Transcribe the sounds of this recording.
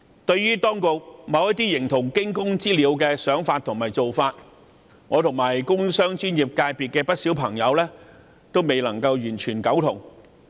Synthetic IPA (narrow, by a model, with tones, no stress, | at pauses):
t̪ɵ˧ɥɥyː˥t̪ɔː˥ŋkʊ˨k̚mɐ˨˧wjɐ˥t̚t̪̬iː˥jɪ˨˩ŋt̪ʰʊ˨˩ŋkɪ˥ŋkʊ˥ŋt͡siː˥liː˨˧wkɛː˧sœː˨˥ŋfaː˧t̚t̪ʰʊ˨˩ŋmaː˨jt͡so˨wfaː˧t̚ | ŋɔː˨˧t̪ʰʊ˨˩ŋmaː˨˩jkʊ˥ŋsœː˥ŋt͡ʃyː˥njiː˨˩p̚kaː˧jpi˨t̚kɛː˧pɐ˥t̚siː˨˥wpʰɐ˨˩ŋjɐ˨˧wlɛː˥ | t̪o˥wme˨jlɐ˨˩ŋkɐ˧wjyː˨˩nt͡ʃʰyː˨˩nkɐ˨˥wt̪ʰʊ˨˩ŋ